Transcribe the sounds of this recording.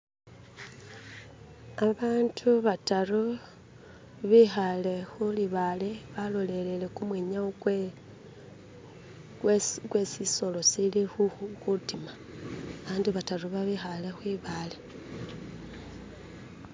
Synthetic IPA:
aβaːntʰuβataru | βixale̞xuliβaleβalo̞le̞le̞le̞kumweːɲa | kwesiso̞lo̞silixuxutima | aβaːndiβataruβaβixalexwiβale

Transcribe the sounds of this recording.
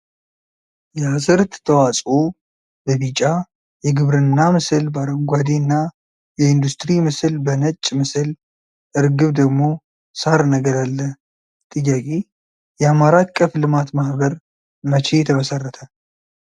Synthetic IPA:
jɛasɨɾt̪t̪ʰəwasʼo | bəβit͡ʃʼːa | jɛɡɨβɾɨnːamɨsɨlbaɾəŋɡʷad̪inːa | jɛɪnd̪ust̪ɾimɨsɨlbənət͡ʃʼːmɨsɨl | ʔɨɾɡɨβd̪əɡmo̞ | saɾnəɡəɾalːə | t̪ʼɨjːakʼe | jɛamaɾakʼːəflɨmat̪mahbəɾ | mət͡ʃʰe̞jt̪ʰəməsərːət̪ʰə

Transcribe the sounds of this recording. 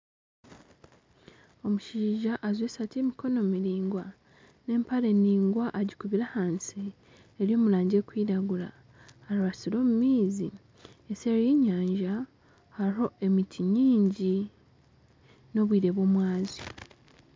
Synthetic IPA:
o̞muʃiːʒaʔazweːsatiemiko̞nomiɾiːŋɡwa | ne̞ːmpale̞nːiːŋɡwaʔːɟikuβiɾahaːnsi | eɾjo̞ːmulaːɲɟe̞ːkwiːɾaɡula̰ | aɾuβasiɾo̞ːmumiːzi | eseɾejeɲaːɲʒa | haɾo̞ʔe̞mitʰiɲiːɲɟi | noβwiːɾe̞βwo̞ːmwaːzi

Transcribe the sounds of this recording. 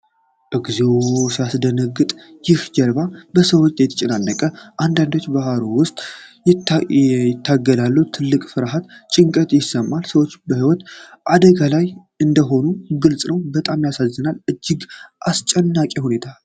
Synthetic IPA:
ʔɨɡzesasd̪ənəɡːɨt̪ʼ | jɪhd͡ʒəɾbabəsəwot͡ʃːjt̪ʰːət͡ʃʼɪnanːəkʼəʔand̪and̪o̞t͡ʃːbahaɾowʊst̪ʼ | jɪt̪ʰːaɡːəd̪alːuwt̪ʰɨlːɨkʼfɨɾɦat̪t͡ʃʼɪŋkʼət̪jɪsəmːalsəwot͡ʃːbəhiwɔt̪ʔad̪əɡalaj | ʔɨnd̪əɦo̞nuɡɨlsʼnəwbət̪ʼamjasazːɨnalʔɨd͡ʒːɪɡʔast͡ʃʼɛnːakʼihune̞t̪ʰa

